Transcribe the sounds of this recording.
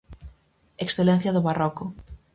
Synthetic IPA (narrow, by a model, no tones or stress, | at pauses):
eksθelẽn̟θjɐðʊβarɔkʊ